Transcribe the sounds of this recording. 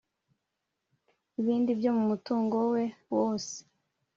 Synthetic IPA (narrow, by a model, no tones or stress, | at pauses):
iβiːndibjo̞mumutuːŋɡo̞we̞woːse̥